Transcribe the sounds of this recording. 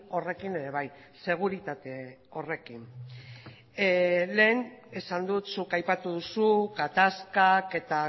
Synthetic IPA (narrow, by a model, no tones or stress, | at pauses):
o̞re̞kine̞ɾe̞β̞aj | se̞ɣ̞uɾit̪at̪e̞ | o̞re̞kin | le̞ːnesand̪ut̪sukajpat̪uð̞usuɣat̪askake̞t̪a